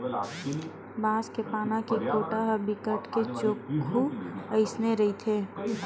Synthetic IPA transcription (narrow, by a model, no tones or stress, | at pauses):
baːskepaːnãkikoːʈaɦəbɪkəʈket͡ʃoːkʰuəɪsneɾɐit̪ʰeː